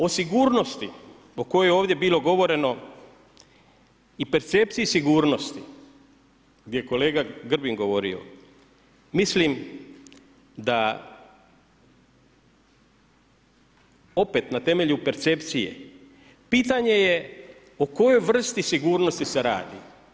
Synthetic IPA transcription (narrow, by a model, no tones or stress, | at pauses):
o̞siɡuːɾno̞st̪i | o̞ko̞jojeoːʋd̪jebiːlˠo̞ɡo̞ʋo̞ɾe̞no̞ | ipe̞ɾt̪se̞p̚t̪sijisiɡuːɾno̞st̪i | ɡd̪jejeko̞le̞ːɡaɡr̩biŋɡo̞ʋo̞ɾḭo̞̰ | mislim | d̪a | o̞pe̞t̪nat̪e̞me̞ʎupe̞ɾt̪se̞pt̪sijḛ | piːt̪aɲe̞je̞ | oko̞jo̞jʋr̩st̪isiɡuːɾno̞st̪ise̞ɾa̰ːd̪ḭ